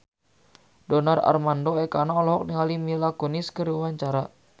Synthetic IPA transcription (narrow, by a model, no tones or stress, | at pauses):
dɔnara̰rmandoɛkanaɔlɔɦɔk̚niŋalimilakoniskəɾiwaɲt͡ʃaɾa